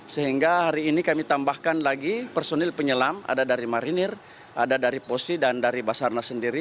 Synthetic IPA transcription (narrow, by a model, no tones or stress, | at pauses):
səɦiŋɡahaɾiːnikamit̪ambahkanlaɡipɛrsonɛlpəɲəlama̰dadaɾimaɾinir | ʔadadaɾiposidandaɾibasarnasəndiɾi